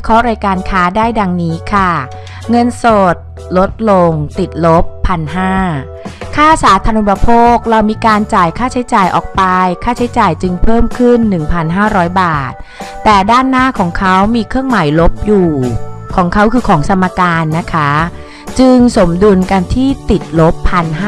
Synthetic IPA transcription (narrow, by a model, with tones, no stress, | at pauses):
kʰɔ˦˥ɾaː˧jkaː˧nkʰaː˦˥daː˥˩jda˧ŋniː˦˥kʰa˥˩ | ŋɤ˧nsoː˨˩t̪̚ | lo˦˥t̪̚lo˧ŋt̪i˨˩t̪̚lo˦˥pʰːa˧nɦaː˥˩ | kʰaː˥˩saː˩˦t̪ʰaː˧nʔu˨˩pa˧pʰoː˥˩k̚ɾa˧wmiː˧kaː˧nt͡ɕaː˨˩jkʰaː˥˩t͡ɕʰa˦˥jt͡ɕaː˨˩jʔɔ̰ː˨˩k̚pa˧jkʰaː˥˩t͡ɕʰa˦˥jt͡ɕaː˨˩jt͡ɕɯ˧ŋpʰɤː˥˩mkʰɯ˥˩nːɯ˨˩ŋpʰa˧nɦaː˥˩ɾɔː˦˥jbaː˨˩t̪̚ː | ɛː˨˩daː˥˩nːaː˥˩kʰɔː˩˦ŋkʰa˦˥wmiː˧kʰɾɯ˥˩əŋma˩˦jlo˦˥p̚juː˨˩kʰɔː˩˦ŋkʰa˦˥wkʰɯː˧kʰɔː˩˦ŋsʰa˧mːaː˧kaː˧nːa˦˥kʰa˦˥ | t͡ɕɯ˧ŋso˩˦mdu˧nka˧nt̪ʰiː˥˩t̪i˨˩t̪̚lo˦˥pʰːa˧nɦ